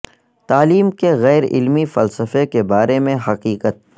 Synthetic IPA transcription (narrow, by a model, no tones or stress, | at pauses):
t̪aːliːmkeɣɛːɾɪ̰lmifɐlsəfekebaːɾemẽɦɐqiːqət̪̚